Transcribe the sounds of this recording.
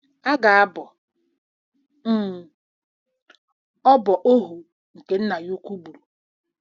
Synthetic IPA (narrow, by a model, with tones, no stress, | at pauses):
a˦ɡa˨a˦bɔ˨ | m̩˦˨ | ɔ˦bɔ˨ʔo˦ɦu˨ | ŋ̩˨ke˨n̩˦na˨jo˦kʷu˦ɡ͡bu˨ɾu˨